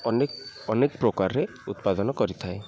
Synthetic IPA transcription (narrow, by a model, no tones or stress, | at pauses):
ɔnekpɾokaɾːe | ut̪pad̪ɔnɔkɔɾit̪ʰae